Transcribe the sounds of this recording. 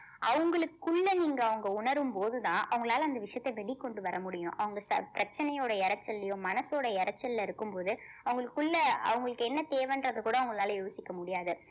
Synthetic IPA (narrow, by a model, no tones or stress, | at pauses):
ʔɐʋɐŋɡɐɭɯkːɯɭːɐniːŋɡɐːʋɐŋɡɐʊɳɐɾɯmpoːðɯt̪ãːʔɐʋɐŋɡɐɭaːlɐːnd̪ɐʋɪʂjɐt̪ːɐʋɛɭɪkːɔɳɖɯʋɐɾɐmʊɽɪjʊ̃ʔɐ̰ʋɐŋɡɐsɐ̰pɪɾɐt͡ʃːɐnɐjoːɽɐɪɾɐt͡ʃːɐlːɐjõmɐnɐsoːɽɐɪɾɐt͡ʃːɐllɐɪɾɯkːɯmpoːðɯɐʋɐŋɡɐɭɯkːɯɭːɐɐ̰ʋɐŋɡɐɭɯkːɛnːɐt̪eːʋɐnɾɐðɯkuːɽɐːʋɐŋɡɐɭaːlɐjoːsɪkːɐmʊɽɪjaːðɯ